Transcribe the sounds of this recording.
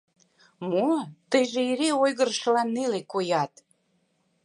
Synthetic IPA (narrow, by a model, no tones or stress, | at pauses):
mot̪əjʒeiɾeojɣəɾʃəlɑnːelekojɑt̪